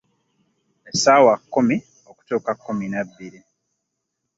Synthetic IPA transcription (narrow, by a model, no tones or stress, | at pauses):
esaːwakːumi | oku̥tuːkakːuminabːiɾi